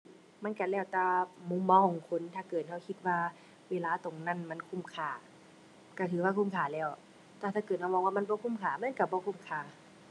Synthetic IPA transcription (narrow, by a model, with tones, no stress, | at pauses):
ma˧˥˨nka˧˩lɛː˧˩wt̪aː˧mu˧˥˨mːa˧˨kʰɔ˨ŋkʰo˧˥˨nt̪ʰaː˧˩kɤː˨˩t̪̚hʰa˧˩wkʰi˧t̪̚waː˧ | weː˧˨laː˧˨t̪o˨˩ŋna˧˥˨nma˧˥˨nkʰu˧˥˨mkʰaː˧˩ | ka˧˩t̪ʰɯː˨˦waː˧kʰuː˧˥˨mkʰaː˧˩lɛː˧˩w | t̪aː˧˩t̪ʰaː˧˩kɤː˨˩t̪̚ha˧wmɔː˧˨waː˧m˧˥˨bɔː˧˨kʰu˧˥˨mkʰaː˧˩ma˧˥˨nka˧˩bɔː˧˦kʰu˧˥˨mkʰaː˧˩